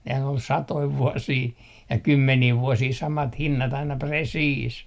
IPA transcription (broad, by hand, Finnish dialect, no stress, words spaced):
nehæn ol sɑtoi ʋuosiː jɑ kymːeniː ʋuosiː sɑmɑt hinːɑt ɑinɑ presiːs